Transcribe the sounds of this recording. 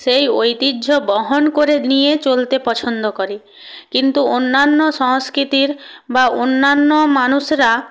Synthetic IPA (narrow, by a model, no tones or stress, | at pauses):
sejojt̪idʱobɔɦonkoɾenijet͡ɕolt̪epɔt͡ɕʰond̪okoɾi | kint̪uonːanːoʃɔŋskɾit̪iɾbaonːanːomanuʃɾa